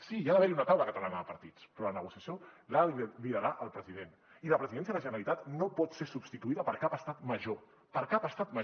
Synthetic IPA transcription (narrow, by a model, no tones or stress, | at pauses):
sijaðəβɛɾiunət̪awləkət̪alanaðəpəɾt̪it͡spɾɔlənəɣusjəsjolabiðəɾaʔəlˠpɾəziðen | iləpɾəziðɛns̬jəðələʒənəɾəlit̪at̪nopɔt̪seɾsubst̪it̪uiðəpəɾkapəst̪at̪məʒo | pəɾkapəst̪at̪mə